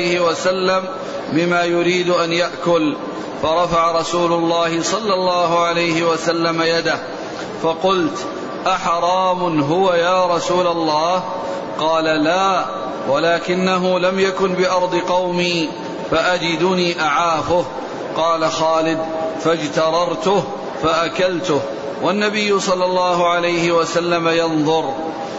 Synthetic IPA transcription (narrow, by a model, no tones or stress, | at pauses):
hɪwasalːam | bɪmaːjʊɾiːd̪ʔanjaʔkʊl | fɑɾˤɑfaʕaɾˤɑsuːlʊlˤːɑːhɪsˤɑlːɑlːɑːɦʊʕalajhɪwasalːamajad̪ah | fɑqʊlt̪ | ʔaħɑɾˤɑːmʊnɦʊwajaːɾˤɑsuːlalˤːɑːh | qɑːlalaː | walaːkɪnːaɦʊlamjakʊnbɪʔɑɾˤd̪ˤɨqɑwmiː | faʔad͡ʒɪd̪ʊniːʔaʕaːfʊh | qɑːlaxaːlɪd̪fad͡ʒt̪ɑɾˤɑɾˤt̪ʊh | faʔakalt̪ʊh | wanːabɪjːʊsˤɑlːɑlːɑːɦʊʕalajhɪwasalːamajɑnðˤʊɾ